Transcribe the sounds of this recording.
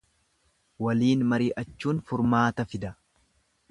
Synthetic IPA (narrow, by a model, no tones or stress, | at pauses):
wɐliːnmɐɾiːʔɐt͡ʃːuːnfʊɾmaːt̪ɐfɪd̪ɐ